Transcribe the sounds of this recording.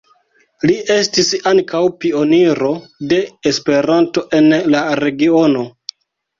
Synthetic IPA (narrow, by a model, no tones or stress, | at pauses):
liʔe̞stisaŋkawpio̞niɾo̞de̞ːspe̞ɾanto̞ʔe̞nlaɾe̞ɡio̞no̞